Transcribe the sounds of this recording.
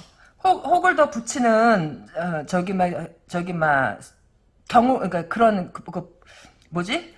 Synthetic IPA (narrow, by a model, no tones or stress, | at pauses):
hohoɡɯɭdʌput͡ɕʰinɯnʌt͡ɕʌɡima | t͡ɕʌɡima | kjʌŋuʔik͈akɯɾʌnkɯɡɯ | mod͡ʑi